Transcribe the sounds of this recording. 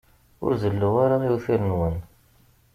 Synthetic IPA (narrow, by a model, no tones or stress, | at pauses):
ʊ̰ɾzəlːuwaɾajuθiɾənwən